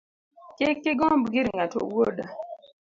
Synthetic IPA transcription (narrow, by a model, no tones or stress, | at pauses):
kekːeɡɔmbɡɪɾŋato̰woɗa